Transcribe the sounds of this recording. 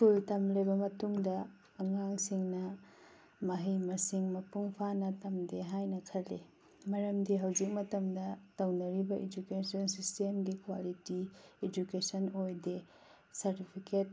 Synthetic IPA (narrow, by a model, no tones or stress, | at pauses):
kultɐmlebɐmɐtuŋdɐː | ŋaŋsiŋnɐ | mɐɦijmɐsiŋmɐpuŋpʰanɐtɐmdeɦajnɐkʰɐle | mɐɾɐmdiɦɐwzik̚mɐtɐmdɐtɐwnɐɾibɐʔed͡ʒukesɔnsistemɡikwalitied͡ʒukesɐnojde | sɐɾtipʰiket̚